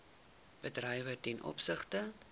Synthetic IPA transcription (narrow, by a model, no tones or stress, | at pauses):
b̥ədrəjvətɛnʔɔ̰psəχtə